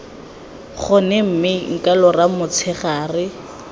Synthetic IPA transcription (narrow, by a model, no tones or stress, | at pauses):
χʊnɛm̩mɪŋ̩kʼalɔramʊt͡sʰɛχaːrɪ